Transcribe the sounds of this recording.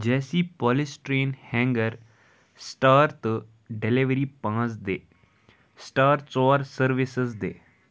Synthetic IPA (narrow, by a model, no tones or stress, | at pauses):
d͡ʑɛːsipɔːlisʈɾeːnhɛ̃ŋɡəɾ | sʈaːɾt̪ | ɖeliʋɾipãt͡sd̪e | sʈaːɾt͡sɔɾsəɾʋisəsd̪ḛː